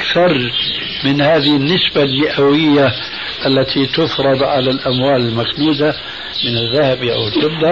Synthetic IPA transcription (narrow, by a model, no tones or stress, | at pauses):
kθɑɾˤ | mɪnhaːðɪhɪnːɪsbalmɪʔawɪjːa | ʔalːat̪ʰit̪ʊfɾˤɑd̪ˤʕalalʔamwaːlɪlmaknuːd̪a | mɪnaðːahabiʔa̰wɪlɪbd̪ɑ